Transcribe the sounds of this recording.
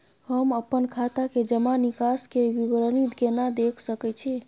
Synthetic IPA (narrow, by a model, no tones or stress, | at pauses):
həməpənkʰat̪aked͡ʒəmanikaskebibɾənit̪ɡenad̪ekʰsəkɛt͡ʃʰi